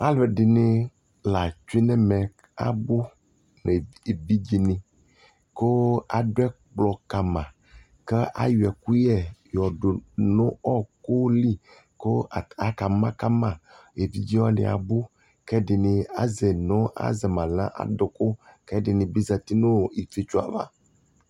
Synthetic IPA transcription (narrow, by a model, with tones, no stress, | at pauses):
a˦lɛ˨ɖɪ˨nɪ̃˦ | la˨t͡ʃi˦nɛ˦mɛ̃˨ | a̰˨bu˦ | ne˨e˨vi˦d͡ʑi˦nĩ˨ | ko˦a˨ɖo˦ɛ˦ | k͡plɔ˨ka˨mã˨ | ke˦ʔa̰˦ju˨ɛ˨ku˦jɛ˦jɔ˨ɖo˨nõ˦ɔ˦ko˦li˦ | ko˦˨a˨ka˨mã˦ka˦mã˨ | e˨vi˦d͡ʑi˦wɔ˦nḭ˨a̰˨bu˦ | kɛ˦ɖi˨nĩ˨a̰˦zɛ˨nɔ̃˦ʔa̰˦zɛ˨mã˨lã˦ʔa̰˨dɔ˨ko˦kɛ˦ɖi˨nĩ˨bi˦za˨t̪i˦nõ˦˨i˨fi˦t͡ʃu˦a̰˨la̰˦